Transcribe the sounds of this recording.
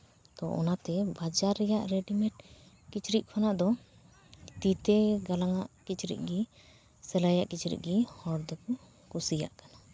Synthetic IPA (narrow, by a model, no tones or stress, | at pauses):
t̪ɔʔɔ̰nat̪ɛbad͡ʒaɾːɛjaʔɾɛɖimɛʈ̚ | kit͡ʃɾiʔ̚kʰɔnaʔd̪ɔ | t̪it̪ɛɡalaŋaʔkit͡ʃɾḭʔ̚ˀɡi | sɛlajaʔkit͡ʃɾḭʔ̚ɡihɔɾd̪ɛku | kusija̰ʔkana